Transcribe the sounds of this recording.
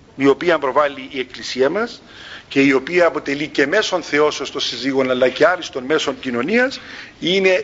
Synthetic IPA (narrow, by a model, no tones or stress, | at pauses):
io̞piɐmbɾo̞vɐlːiːe̞klisiɐmɐs | ce̞io̞piɐːpo̞t̪e̞lice̞me̞so̞nθe̞o̞sost̪osiziɣo̞nɐlːɐce̞ɐɾist̪o̞nme̞so̞ɲcino̞niɐsine̞